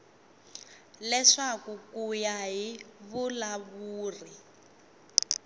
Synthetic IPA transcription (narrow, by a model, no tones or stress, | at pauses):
lɛʂakukujaɦiβulaβuːri